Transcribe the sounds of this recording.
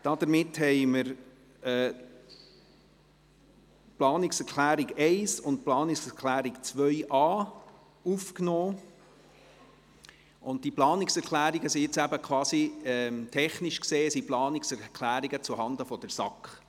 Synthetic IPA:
d̥ɑd̥̪əɾmɪthɛɪməɾ | ɛ | plɑːniksɛɾklæːɾiɡɛɪsʊnt̚plɑːnɪksɛɾklæːɾikt͡sʋœɥʔɑː | ufknɔː | ʔʊnt̚tiplɑːnɪksɛɾklæːɾiɡəsiɪt͡sæbəkʰwɑːsiɛmt̪ʰɛχniʃkseːsiplɑːniksɛɾkʰlæːɾiɡət͡suhɑndəfɔd̥əɾsɑkχ

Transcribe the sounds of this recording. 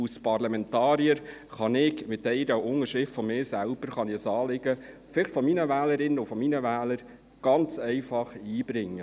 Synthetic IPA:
uspɑɾlɑmɛntɑːɾiəɾχɑnɪkmɪtːɛɪɾəʔʊŋəʃɪftfɔmɪːsælb̥əɾχɑnɪɛsɑːlɪɡ̥ə | fɪlɪχtfɔminəvæːləɾɪnəʊfɔminəvæːləɾ | ɡ̥ɑnt͡sɛɪfɑχiːbɾɪŋːə

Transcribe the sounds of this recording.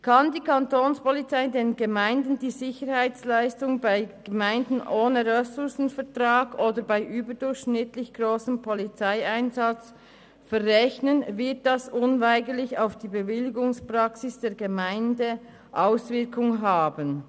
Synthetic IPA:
kʰɑndiːkʰɑntoːnspɔlit͡saɪdeːnɡəmaɪndn̩diːzɪçəɾhaɪt͡slaɪstʊŋbaɪɡ̥əmaɪndn̩ʔoːnəʁɛsʊɾsn̩fɛʁtʁɑːɡʔoːdəbaɪʔyːbədʊɾçʃnɪtlɪçɡ̥ʁoːsəmpʰɔlit͡saɪaɪnzɑt͡s | fɛrːɛçnənvɪɐt̚d̥ɑsʔʊnvaɪɡəɾlɪça̰ʊfd̥iːbəvɪlɪɡʊŋspʁɑksɪsd̥eːɡəmaɪndə | ʔaʊsvɪɐkʰʊŋɦaːbən

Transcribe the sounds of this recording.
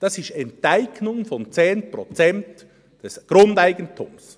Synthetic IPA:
d̥ɑsɪʃtɛntaɪɡnʊŋfɔnt͡seːnpɾɔt͡sɛnt | d̥ɛsɡ̥ɾʊndaɪɡəntʰṵms

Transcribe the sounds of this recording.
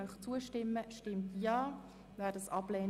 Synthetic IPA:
œχt͡suəʃtɪmːəʃtɪmtjɑː | vɛːdəsɑb̥lɛː

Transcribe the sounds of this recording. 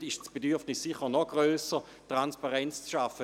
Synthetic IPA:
ɪʃsb̥edyɐfnɪsːiχənɔɡʁøːsə | tʁanspaʁɛnt͡st͡sʃafə

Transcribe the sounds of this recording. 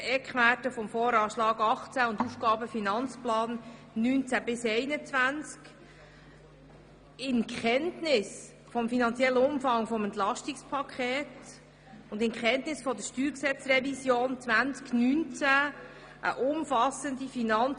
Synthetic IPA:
ɛkχʋætəfɔmfoːɾɑːʃlɑːɡɑχt͡sæʊnd̪ufkɑːbəfinɑnt͡splɑːnː | ynt͡sæbɪsɛɪnət͡svænt͡sk | ɪnkχɛntnɪs | fɔmfinɑnt͡sjɛlːəʊmfɑŋfɔmɛnt̪lɑʃtikspʰɑkʰχɛːt | ʊnd̪ɪnkχɛntnɪsfɔd̪əʃtyːɾksɛt͡srɛvisjoːnt͡svænt͡sknynt͡sæ | ʔə̰ʔʊmfɑsənd̪ifinɑn

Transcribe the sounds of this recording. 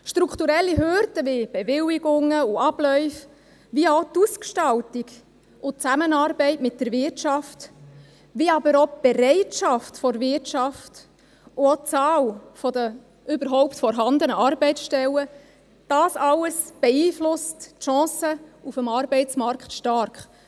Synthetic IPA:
ʃtɾukʰt̪uɾɛlːiɦøɾd̪əʋib̥evɪliɡʊŋəʊɑb̥lœʏf | ʋiot̪uskʃtɑltiɡ | ʊt͡sæmənɑːɾbɛɪtmɪt̚dəɾvɪrtʃɑft | ʋiɑbəɾob̥eɾɛɪtʃɑftfɔɾvɪrtʃɑft | ʊot͡sɑːlfɔd̪ə | ʏbəɾɦɔʊptfɔɾɦɑnd̪ənəɑrbɛɪsʃtɛlə | d̥ɑːsɑləsb̥eiːflʊstʃɑ̃ːsəufəmɑɾbɛɪt͡smɑɾkχtʃtɑɾkχ

